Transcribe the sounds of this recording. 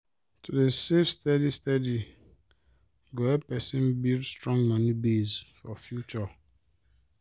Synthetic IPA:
tʰudesefstɛdistadi | ɡoɛpɛsĩnbildstɹɔ̃ŋɡmɔnibezfɔfjut͡ʃɔ

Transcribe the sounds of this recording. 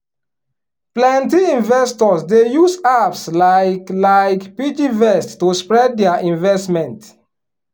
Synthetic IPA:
plɛ̃ntiĩnvɛstɔsdejusafslaɪklaɪkpid͡ʒivɛstːuspɹɛd̚dɛaʔĩnvɛstmɛ̃nt

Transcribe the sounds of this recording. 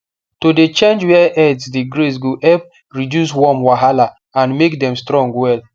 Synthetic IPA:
todet͡ʃẽnd͡ʒwɛʔɛdsdiɡɾesɡoʔɛp | ɹidjus̬wɔmwaɦala | ãnmekdɛ̃mstɹɔ̃ŋɡwɛl

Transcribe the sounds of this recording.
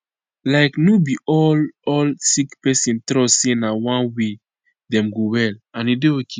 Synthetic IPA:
laɪknobiʔɔlɔlsikpɛsĩntɾɔsinawãnwe | dɛ̃mɡowɛlãnideokʰe

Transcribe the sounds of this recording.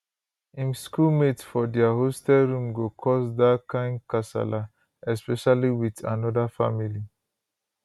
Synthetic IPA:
ĩmskulmetfɔdɛaɦostɛlɹũmɡokʰɔsdakãɪ̃nkasa̰la | ɛspɛʃaliwitãnɔdafa̰mili

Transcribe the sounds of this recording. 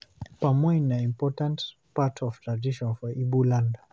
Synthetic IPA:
pamɔɲnaĩmpɔtãnt | patɔvtɹadiʃɔ̃nfɔʔibulanda

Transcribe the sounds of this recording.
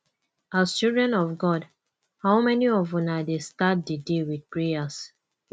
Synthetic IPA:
ast͡ʃildɹɛ̃nɔfɡɔd | haʊmɛniɔvɔ̃nadestat̚dədewid̚pɹeas

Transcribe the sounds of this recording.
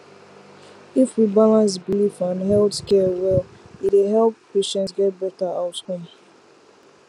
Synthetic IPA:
ifwibalãns̬bilifãnɦɛltskɛwɛlitweɦɛlppeʃɛ̃ntsɡɛt̚bɛtaaʊtkɔ̃m

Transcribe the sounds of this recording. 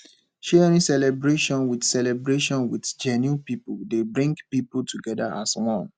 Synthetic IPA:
ʃɛɹĩsɛlɛbɹeʃɔ̃nwidsɛlɛbɹeʃɔ̃nwidd͡ʒɛnupipudebɹĩŋɡpiputʰuɡɛdaʔa̰swɔ̃n

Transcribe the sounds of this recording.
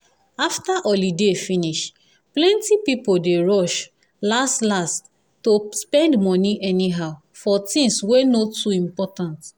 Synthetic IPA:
aftaʔɔlidefĩniʃ | plɛ̃ntipipoldeɹɔʃ | lastlast | tospɛ̃ndmɔ̃niʔɛniɦaʊ | fɔtĩŋswenotuĩmpɔtãnt

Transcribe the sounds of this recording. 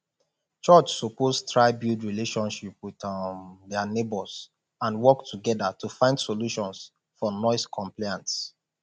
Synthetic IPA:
t͡ʃɔt͡ʃsopostʰɹaɪbildɹileʃɔ̃nʃip̚wiðdɛanebɔz | ãnwɔktʰuɡɛdatʰufãɪ̃ndsoluʃɔ̃ns | fɔnɔɪskʰɔ̃mplaɪãnts

